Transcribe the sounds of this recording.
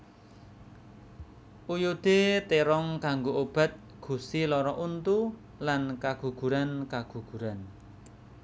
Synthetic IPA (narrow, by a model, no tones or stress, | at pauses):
ʔujod̪̥et̪eɾɔŋkaŋɡoʔob̥a̤t̪̚ | ɡ̥ṳsilɔɾɔʔunt̪u | lankaɡ̥ṳɡ̥ṳɾankaɡ̥ṳɡ̥ṳɾan